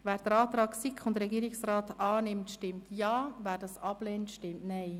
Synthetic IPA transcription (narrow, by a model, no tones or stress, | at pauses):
ʋæːɾd̥̪əɾɑːt̪ɾɑːksikχʊnd̪əɾɛɡiːɾɪksraːtɑːnɪmtʃtɪmtjɑːvæːɾdɑsɑb̥lɛːntʃtɪmtnɛɪ